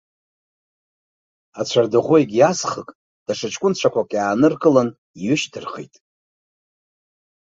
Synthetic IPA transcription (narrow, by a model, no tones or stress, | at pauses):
at͡ɕʷʰardɨʁoeɡʲjasχəkʼ | d̥aʂɨt͡ʃʼkʷʼʊnt͡ɕʷʰakʷakʼjaːnɨrkʼɨlan | ijʏʃtʰɨrχḛjtʼ